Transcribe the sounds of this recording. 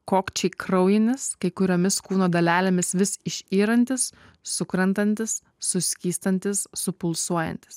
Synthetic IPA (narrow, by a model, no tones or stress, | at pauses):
koːkt͡ʃʲɛɪkɾɐʊjɪnʲɪskɐɪkʊɾʲoːmʲɪskuːnoːd̪ɐlʲæːlʲeːmʲɪsʋʲɪsɪʃʲiːɾɐnʲt̪ʲɪsː | ʊkɾɐnt̪ɐnʲt̪ʲɪsː | ʊsʲkʲiːst̪ɐnʲt̪ʲɪsːʊpʊlˠsuɔjɛ̰nʲt̪ʲɪ̥s